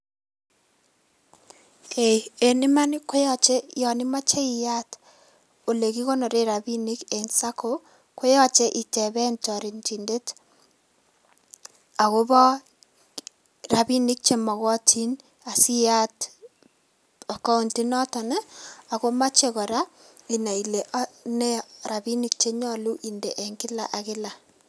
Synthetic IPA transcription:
kʰe˨e˨ni˦ma˦nɪ˦ko˦jɔ˦t͡ʃe˦jɔ˨nɪ˦ma˦t͡ʃe˦i˨ja˦t | o˨le˨ki˦ko˦no˨ɾe˦ɾa˨bi˦ni˦ke˨nsa˦ko˦ | ko˦jɔ˦t͡ʃe˦ʔi˨tɛ˨bɛ˦ntɔ˨ɾi˨nti˨nde˦t | a˨ko˦bɔ˦ | ra˨bi˦nɪ˦k̚t͡ʃe˦mɔ˨kɔ˦tʰi˦n | a˨si˦ja˦t | ɔ˨kɔ˦o˦nti˦nɔ˦tɔ˨nɛ˦a˨ko˦ma˦t͡ʃe˦kɔ˨ɾa˦ | i˨na˨i˨le˨ʔnɛ˦ɾa˨bi˦nɪ˦k̚t͡ʃe˦ɲɔ˦lu˦ʔi˨nde˨ʔɛ˨ŋkɪ˦la̰˨ʔa˨kɪ˦la˨

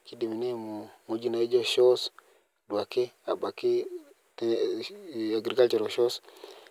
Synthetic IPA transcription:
ki˦di˨mi˨ne˦mu˨mu˨d͡ʒi˦na˨i˦d͡ʒɔ˦ʃɔ˦s | dwa˨ke˦a˨ba˨ki˦ | t | a˨ɡɾi˨ka˦lt͡ʃɔ˨ɾɔ˨ʃɔ˦s

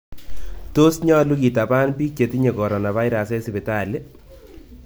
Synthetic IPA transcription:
to˦sɲɔ˦lu˦ki˨ta˨pa˦npi˦k̚t͡ʃe˨ti˦ɲe˨kɔ˨ɾɔ˨na˨βa˦jɾase˦sbe˨ta˨le˦

